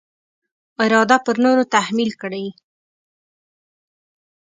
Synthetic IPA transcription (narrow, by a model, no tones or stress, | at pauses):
ɪɾɑd̪apəɾnoɾot̪ahmilkəɽaj